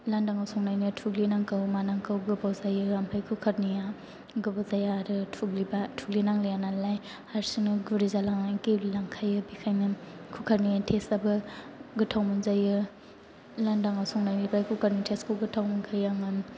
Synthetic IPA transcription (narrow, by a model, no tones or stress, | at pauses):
landaŋawsɔŋnajniatʰuɡlinaŋkɯwmanaŋkawɡɯbawzajɯampʰajkʰukʰaɾnija | ɡɯbawzajaɾɯtʰuɡlibatʰuɡlinaŋlijananlaj | haɾsinɯɡuɾizalaŋakellaŋkʰajɯbikʰajnɐkʰukʰaɾnijatʰesabɯɡɯtʰawmɯnzajɯ | landaŋawsɔŋnajnibajkʰukʰaɾnitʰeskoɡɯtʰawmunkʰajaŋɯn